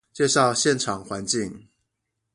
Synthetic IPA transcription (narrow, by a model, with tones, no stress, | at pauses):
t͡ɕje˥˧ʂɑ˥˨ʊɕjɛ˥˨nʈ͡ʂʰɑ˨˩ŋxwa˨˦nt͡ɕi˥˨ŋ